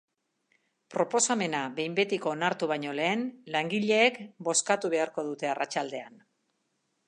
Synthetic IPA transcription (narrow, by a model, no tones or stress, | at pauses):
pɾo̞po̞same̞naβe̞jmbe̞t̪iko̞naɾt̪uβ̞aɲo̞le̞ːnlaŋɡiʎe̞ːkbo̞skat̪uβe̞aɾko̞ðut̪e̞arat͡ʃald̪e̞an